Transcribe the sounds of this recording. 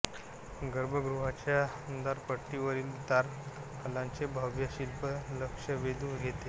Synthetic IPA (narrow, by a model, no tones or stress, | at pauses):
ɡəɾbʱəɡɾuɦat͡ɕjaənd̪aɾpəʈːiʋəɾiːlut̪aɾ | kəlãnt͡sebʱəʋjəɕilpələkʂəʋed̪uɡʱet̪e